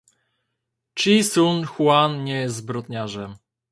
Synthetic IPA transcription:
t͡ʂisunxwanɲɛjɛst̪zbɾɔt̪ɲaʐɛm

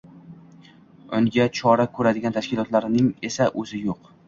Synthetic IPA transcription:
ʊ̰ŋɡʲat͡ʃʰɒɾakʰɵɾad̪ɪɡʲant̪ʰaʃkʲɪlˠɒt̪laɾɪnɪŋe̞saʔɵzɪjoq

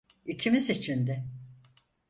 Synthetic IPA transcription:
icʰimizit͡ʃʰind̪ɛ

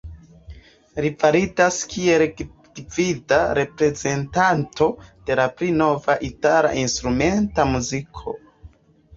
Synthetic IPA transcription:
ɾifaɾidaskʰie̞lk | d̥ividaɾe̞pɾe̞ze̞ntanto̞d̥e̞lapɾino̞vaʔitala̰ʔinstɾume̞ntamuzikʰo̞̰

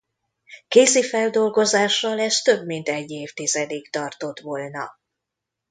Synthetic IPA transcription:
keːzifɛld̪o̞lɡo̞zaːʃːɒlɛʃt̪ø̞bmint̪ɛɟːeːft̪izɛd̪ikt̪ɒrt̪o̞t̪ʋo̞lnɒ̰

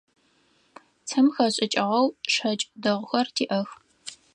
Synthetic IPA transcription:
tʰɐmxɐɕʼɪt͡ʃʼɪʁɐwʂɐt͡ʃʼdɐʁʷʊxɐrtʰiːʔɐx

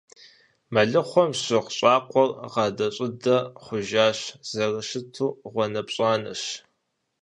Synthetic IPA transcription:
mɐɮɨχʷɔmɕɪʁɕʼɑːqʷʼɔrʁɑːdɐɕʼɪdɐχʷʊʒaːɕz̥ɐrɨɕɪtʰuːʁʷɔnɐpɕʼaːnɐ̰ɕ

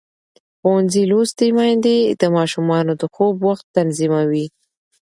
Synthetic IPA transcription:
xowanzilost̪emɑjnd̪ed̪əmɑʃumɑnod̪əxobwaxt̪ːanzimawi

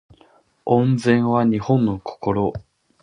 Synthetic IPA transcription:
õnd͡zẽɰ̃βaɲ̟ihõ̞nːo̞ko̥ko̞ɾo

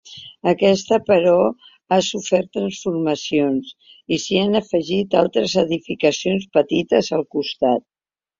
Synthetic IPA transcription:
əkɛst̪əpəɾɔ | asufɛɾt̪ːɾənsfuɾməsions | isianəfəʒit̪alˠt̪ɾəzəðifikəsionspət̪it̪əzəlˠkust̪at̪̚

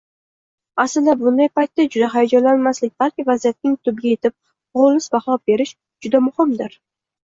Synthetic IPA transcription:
asɪld̪abʊnd̪ajpajt̪ːad͡ʒʊd̪aɦajɒd͡ʒalanmaslɪk̚ʲb̥alkʲɪvazijat̪̚nɪŋt̪ʰʊb̚ɡʲaje̞t̪ʰɪp̚ | ʁolˠːɪsbaχɒp̚be̞ɾɪʃ | d͡ʒʊd̪amʊhɪmd̪ɪɾ

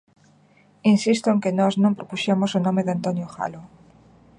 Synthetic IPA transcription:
insist̪oẽŋkenoznõmpɾopuʃamosonõmeðeant̪onjoxa̰lo

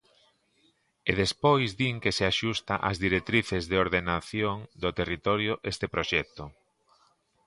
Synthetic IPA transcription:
eðespojzðiŋkeseaʃust̪aʔazðiɾek̚t̪ɾiθezðeoɾðenaθjoŋd̪ot̪erit̪oɾjoʔest̪epɾoʃɛk̚t̪ʊ

